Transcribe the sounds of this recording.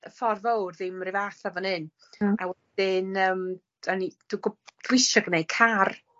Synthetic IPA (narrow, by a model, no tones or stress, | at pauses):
əfɔrvowrðɪmrɪvaθavɔnɨn | awɛdɪnəːm | anid̥uɡɔd̥lɪʃaɡənejkʰar